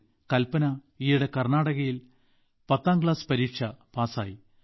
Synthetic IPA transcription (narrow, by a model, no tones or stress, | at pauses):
kɐlpɐnɐ | iːuɽe̞kɐrnaːɽɐɣɐjil | pɐt̪ːaːmkɭaːspɐɾiːkʂɐpaːsa̰ːji